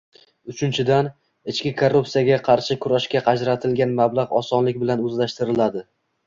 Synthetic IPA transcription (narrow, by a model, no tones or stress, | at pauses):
ʊt͡ʃʰɪnt͡ʃʰɪd̪an | ɪt͡ʃkʲɪkʰorːupsijaɡʲaqʰɑɾʃɪkʲʰʊɾaʃkʲaqʰɑd͡ʒɾat̪ʰɪlɡʲanmablˠaʁɒsɒnlɪkʲbɪlanɵzlaʃt̪ɪɾɪlad̪ɪ